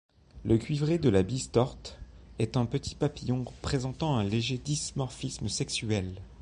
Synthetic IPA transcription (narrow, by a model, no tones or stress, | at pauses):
ləkʲɥivʁed̪əlabist̪ɔʁt̪ɛt̪ɛ̃pət̪ʰi̥papijɔ̃ʁpχezɑ̃t̪ɑ̃ɛ̃leʒed̪ismɔʁfisməsɛksyɛl